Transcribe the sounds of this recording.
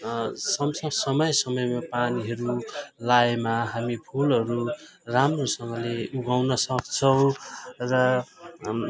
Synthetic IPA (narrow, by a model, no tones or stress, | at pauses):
sʌmsʌsʌmʌjsʌmʌjmapaniɦʌɾulaemaɦamipʰulʌɾu | ramrosʌŋɡʌleuɡawnʌsʌkt͡sʰʌw̃rʌ